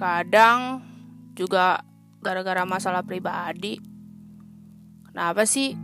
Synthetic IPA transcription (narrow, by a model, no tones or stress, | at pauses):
kadaŋd͡ʒuɡa | ɡaɾaɡaɾamasalahpɾibadi | kənapasih